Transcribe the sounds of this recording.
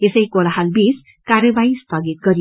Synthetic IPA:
esʌjkolaɦalbis | karjʌbaist̪ʌɡit̪̚ɡʌɾij

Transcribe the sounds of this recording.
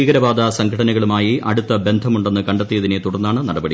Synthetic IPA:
iːɡɐɾɐbaːd̪ɐsɐŋɡʰʱɐɽɐnɐɣɐɭumaːjiʔɐ̰ɽut̪ːɐbe̞nd̪ʱɐmuɳɖe̞nːɨkɐɳɖɐt̪ːijɐðine̞t̪uɽɐrnːaːɳɨnɐɽɐbɐɽi

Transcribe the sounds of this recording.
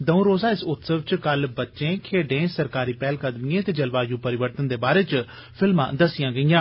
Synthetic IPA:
d̪əũɾoːzaːɪsʊt̪səʋt͡ʃkəlbətːʃẽːkʰeːɖẽːsəɾkaːɾiːpɛːlkəd̪miẽːt̪eːd͡ʒəlʋaːjũːpəɾɪʋəɾt̪ənd̪eːbaːɾeːt͡ʃ | pʰɪlmã̰ːd̪əsɪjãːɡəijãː

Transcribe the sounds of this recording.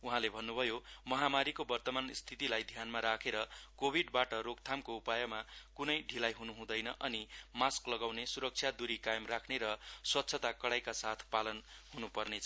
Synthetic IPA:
uɦãlebʱʌnːubʱʌjomʌɦamaɾikobʌrt̪ʌmanst̪ʰit̪ilajd̪ʱjanmaɾakʰeɾʌkobʱiɖbaʈʌɾoɡ̚t̪ʰamkoupajʌmakunʌjɖʱilajɦunuɦũd̪ʌjnʌ̰ʔʌnimasklʌɡawnesuɾʌk̚t͡sʰjad̪uɾikajmrakʰneɾʌswʌt̪ːsʰʌt̪akʌɽajkasat̪ʰpalʌnɦunupʌrnet͡sʰʌ

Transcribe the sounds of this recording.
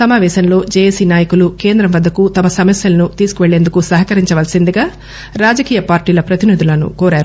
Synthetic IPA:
sɐmaːʋɛːʃɐnlo̞ːd͡ʒejesiːnaːjɐkulukeːnd̪ɾɐmʋɐd̪ːɐkut̪ɐmɐsɐmɐsjɐlɐnut̪iːsu̥kuʋeɭːe̞ːnd̪ukusɐɦɐkɐɾiɲt͡ʃɐʋɐlɐsind̪iɡaː | ɾaːd͡ʒɐkiːjɐpaːɾʈiːlɐpɾɐt̪inid̪ʱulɐnṵkoːɾaːɾu

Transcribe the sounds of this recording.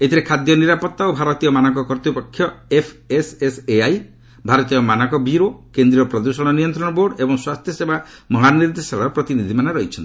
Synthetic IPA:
et̪ʰiɾekʰad̪jɔniɾapɔt̪ːaobʱaɾɔt̪ijɔmanakɔkɔɾt̪ipɔkʰːjɔepʰeseseaj | bʱaɾɔt̪ijɔmanakɔbiɾokend̪ɾiɾɔpɾɔd̪usɔɽ̃ɔnijɔnt̪ɾɔɽ̃ɔboɾɖebɔŋswast̪ʰjɔsebamɔɦaniɾd̪esaɭaɾɔpɾɔt̪inid̪ʱimanaɾɔɦit͡ʃʰɔnt̪i

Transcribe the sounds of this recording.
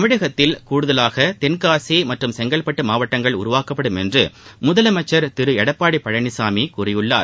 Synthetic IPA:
ɐmʋɪɽɐɣɐt̪ːɪlkuːɽɯðɐlaːɣɐt̪ɛnkaːsimɐʈrɯmsɛŋɡɐlpːɐʈːɯmaːʋɐʈːɐŋɡɐɭʊ̰ɾʊʋaːkɐpːɐɽɯmɛndrɯmʊðɐlɐmɐt͡ʃːɐɾt̪ɪɾɯɛɽɐpːaːɽipːɐɻɐnɪsaːmikuːrɪjɯɭːa̰ːɾ

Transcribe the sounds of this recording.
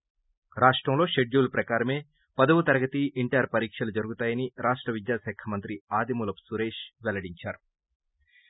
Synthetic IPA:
ɾaːʂʈɾɐmlo̞ːʃeɖd͡ʒuːlpɾɐkaːɾɐme̞ː | pɐd̪ɐwut̪ɐɾɐɡɐt̪iiɳʈɐjɐɾpɐɾiːkʂɐlud͡ʒɐɾuɡut̪aːjɐniɾaːʂʈɾɐʋid̪jaːsaːkʰɐmɐnt̪ɾiaːd̪imulɐpsuɾeːʂʋɛlɐɽiɲt͡ʃaːɾu

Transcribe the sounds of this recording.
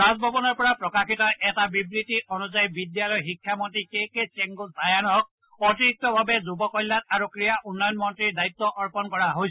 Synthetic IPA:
ɹazbʱɔbɔnɔɹpɔɹapɹɔkakitɔʔɛtabibɹitiɔnuzajbidjalɔjɦikʰjamɔntikekesɛŋɡutajanɔk̚ | ɔtiɹik̚tɔbʱabɛzubɔkɔjlːat̚aɹukɹijaʔunːɔjɔnmɔntɹiɹdait̪ːɔʔɔɹpɔnkɔɹaɦoj

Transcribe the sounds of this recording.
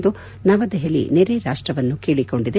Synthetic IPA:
d̪u | nɐʋɐd̪eɦelḭneɾeɾaːʂʈɾɐʋɐnːukeːɭiko̞ɳɖid̪e

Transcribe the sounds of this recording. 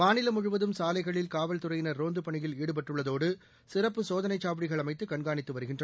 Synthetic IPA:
maːnɪlɐmʊɻʊʋɐðɯmsaːlɐɪɣɐɭɪlkaːʋɐlt̪ɯrɐjɪnɐɾoːnd̪ɯpɐɳɪjɪliːɽɯp̬ɐʈːɯɭːɐðoːɽɯ | sɪrɐpːɯsoːðɐnɐɪt͡ʃːaːʋɪɽɪɣɐɭɐmɐɪt̪ːɯkɐɳɡaːɳɪt̪ːɯʋɐɾɯɣɪndrɐ

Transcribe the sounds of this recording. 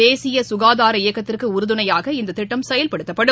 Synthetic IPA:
eːsɪjɐsʊɣaːðaːɾɐɪjɐkːɐt̪ːɪrkɯʊɾɯðɯnɐjaːɣɐɪnd̪ɐt̪ːɪʈːɐmsɛjɐlpɐɽɯt̪ːɐpːɐɽɯ

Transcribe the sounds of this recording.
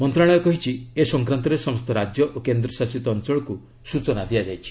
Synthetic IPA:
mɔnt̪ɾaɭ̃ɔjɔkɔɦit͡ʃʰiesɔŋkɾant̪ɔɾesɔmɔst̪ɔɾad͡ʒjɔʔokend̪ɾɔsasit̪ɔːnt͡ʃɔɭɔku | sut͡ʃɔnad̪iad͡ʒajt͡ʃʰi̥

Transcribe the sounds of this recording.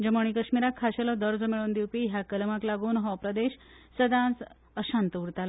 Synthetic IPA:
d͡ʑəməɳ̃ikəɕmiɾakʰːaɕelɔd̪əɾd͡zmeɭoːnd̪iwpiːɦjakəlmaklaɡuːnɦɔpɾəd̪eɕsəd̪ãt͡s | əɕãnt̪əuɾt̪al

